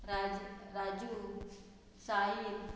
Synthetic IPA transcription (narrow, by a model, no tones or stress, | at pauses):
ɾaɾaːd͡ʒu | saːib